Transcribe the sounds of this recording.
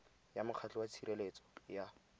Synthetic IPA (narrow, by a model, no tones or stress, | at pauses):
jamʊq͡χʰat͡ɬɛwat͡sʰirelet͡sɔ̥ja